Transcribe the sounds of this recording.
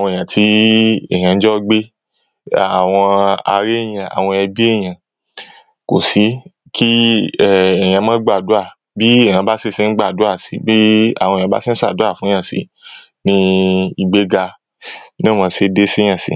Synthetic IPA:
a˨wɔ̃˧e˨j̃ã˨tʰi˧˦ɛ̰˦˨j̃ã˧n̩˦d͡ʒɔ˦ɡ͡be˦ | a˨w̃ɔ̃˧a̰˧ɾe˦˨jã˨a̰˨w̃ɔ̃˧ɛ˧bi˦e˦˨j̃ã˨ | ko˨si˨˦ | ki˦ɛ˦˨ɛ˨j̃ã˨˧˦mãː˦ɡ͡ba˦˨du˨˦a˦˨ | bi˦ẽ˦˨ã˧˦ba˦si˦si˦n̩˦ɡ͡ba˦˨du˨˦a˦˨si˨˦bi˦a̰˦˨w̃ɔ̃˧˨ã˨˦ba̰˦si˦n̩˦sa̰˦˨du˨˦a˦˨fũ˨˦ã˦˨sḭ˨˧˦ | nĩ˧i˧˨ɡ͡be˦ɡa˧ | nã˦˨mã˧se˧de˦sĩ˦ã˦˨sḭ˨˦

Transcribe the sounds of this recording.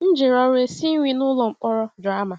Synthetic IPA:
n̩˦d͡ʒɪ˨ɾɔ˦ɾe˦si˦ŋʷi˦nʊ˦lɔ˨ŋ͡m̩˨k͡pɔ˦ɾɔ˦da˦ma˨

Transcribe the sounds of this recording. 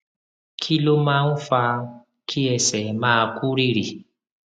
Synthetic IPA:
kʰi˦lo˦ma˦n̩˦fa˦ | kʰi˦ɛ˨sɛ˨maː˦˨ku˦ɾi˦ɾi˨

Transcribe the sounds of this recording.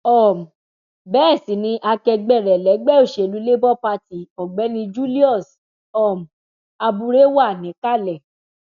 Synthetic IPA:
ɔ˦˨m̩˨ | bɛː˦˨sĩ˨˦nĩ˧˦ʔa˧kɛ˧ɡ͡bɛ˦˨ɾɛ˨lɛ˨˦ɡ͡bɛ˦o˦˨ʃe˨lu˨˦le˦bɔ˦pa˧ti˨ɔ˨ɡ͡bɛ˨˦nĩ˧d͡ʒu˦li˦ɔ˦˨s | ɔ˦˨m̩˨ | a˧bu˧ɾe˦wa˦˨nĩ˨˦ka˦˨lɛ˨

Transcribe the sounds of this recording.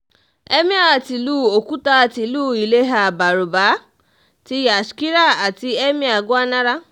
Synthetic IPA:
ɛ˦mĩ˦a˨ti˨luː˦o˨ku˦ta˦a˨ti˨luː˦˨i˨le˦ɦa˧˨ba˨ɾu˨ba˨˦ | ti˧ja˨ski˦ɾa˦˨a˨ti˧ɛ˦mĩ˦a˨ɡo˦a˦nã˦ɾa˦

